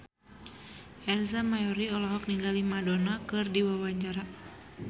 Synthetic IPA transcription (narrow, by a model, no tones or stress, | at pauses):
ʔɛrzamajɔɾiɔlɔɦɔk̚niŋɡalimadonakɨrdiwawaɲt͡ʃaɾa